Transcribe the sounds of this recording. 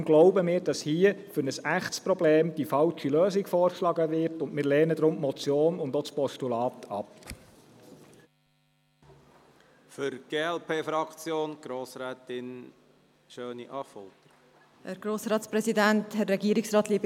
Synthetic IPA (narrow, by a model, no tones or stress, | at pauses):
mɡ̥lɔʊbəmɪːɾd̥ɑshiːəfʏɾnəsæχtspɾɔbleːmd̥ifɑlt͡ʃiløːzɪɡfɔːrkʃlɑɡəʋɪɾtʊndmɪːɾlɛːnəd̪ɾʊmmɔt͡sjoːnʊndɔt͡spɔstulɑːt̪ʰɑp | fʏɾɡ̥eːɛlpʰeːfɾɑkt͡sjoːnɡ̥ɾoːsɾɛːt̪ɪn | ʃøːniʔɑfɔlt̪ə | hæɾɡ̥ɾoːsɾɑːtspɾɛsidænthɛrːɛɡiəɾɪksɾɑːt̪liəb